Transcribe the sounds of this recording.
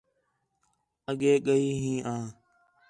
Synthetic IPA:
əɠeːɠəiːɦĩːʔãː

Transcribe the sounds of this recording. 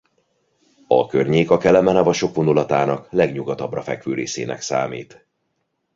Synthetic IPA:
ɒkørɲeːkɒkɛlɛmɛnɒvɒʃo̞kʋonulɒt̪aːnɒklɛɡɲuɡɒt̪ɒbrɒfɛkʋøːɾḛːsḛːnɛ̰ksa̰ːmiːt̪

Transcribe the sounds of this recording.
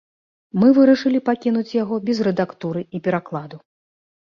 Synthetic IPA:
mɨvɨɾɐʂɨlʲipakʲin̪ut͡sʲjaɣɔbʲɛzrɛd̪akt̪uɾɨipʲɛɾaklˠad̪u

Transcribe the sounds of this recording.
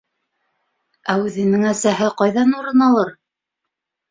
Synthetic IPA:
æʉðɘ̆nɘŋæsæɦɘqɑjðɑnuɾɤnɑlˠɤɾ

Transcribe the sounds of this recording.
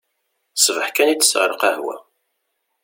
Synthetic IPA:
səvəħkænit͡sːə̥sʁəɾˤəqahwæ̰

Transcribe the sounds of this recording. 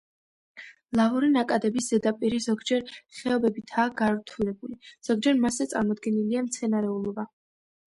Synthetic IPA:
lˠavuɾinakʼad̪ɛbisz̥ɛd̪apʼiɾizɔɡd͡ʒɛɾχɛɔbɛbit̪ʰaːɡaɾt̪ʰulɛbuliz̥ɔɡ̚d͡ʒɛɾmaszɛt̪sʼa̰ɾmɔd̪ɡɛniliamt̪sʰɛnaɾɛulˠɔba

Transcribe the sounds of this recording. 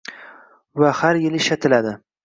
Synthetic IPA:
vahaɾjɪlɪʃat̪ʰɪlad̪ɪ

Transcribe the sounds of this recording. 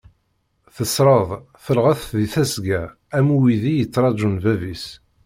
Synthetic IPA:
θəsɾˤəðˤ | θəlʁæθðiθæsɡæ | æmuwiðijət͡sːɾˤɑʒunvævis

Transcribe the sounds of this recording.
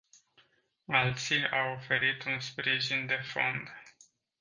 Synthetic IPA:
alt̪siawo̞fe̞ɾit̪unspɾiʒind̪e̞fo̞̰nd̪

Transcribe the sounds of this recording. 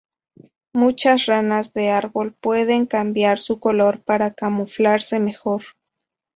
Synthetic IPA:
mut͡ʃasranazðe̞aɾβo̞lpwe̞ðe̞ŋkambjaɾsuko̞lo̞ɾpaɾakamuflaɾse̞me̞xo̞ɾ

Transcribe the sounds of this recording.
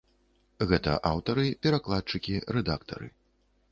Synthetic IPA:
ɣɛt̪ɐ̰ʔawt̪ɐɾɨpʲɛɾaklˠat̪̚t͡ʂɨkʲiɾɛd̪akt̪ɐ̰ɾɨ̰

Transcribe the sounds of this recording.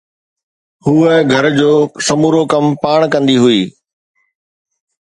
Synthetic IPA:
huːəɡʱɐɾd͡ʑoːsɐmuːɾokɐmpaːɽ̃kɐ̃nd̪iɦʊiː

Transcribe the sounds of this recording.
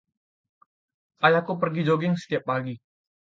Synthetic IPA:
ʔajakupərɡid͡ʒoɡɪŋsə̥t̪iapːaɡi

